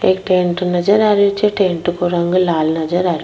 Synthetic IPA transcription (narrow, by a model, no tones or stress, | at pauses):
ekʈeɳʈunɐd͡ʒɐɾaɾut͡ʃeʈeːɳʈukuɾɐŋɡulaːlnɐd͡ʒɐɾaɾu